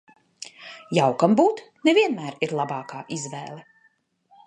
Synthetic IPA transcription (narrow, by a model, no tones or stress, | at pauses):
jawkambuːt̪ | nɛviɛnmæːɾiɾlˠabɑːkaːʔizvɛːlˠɛ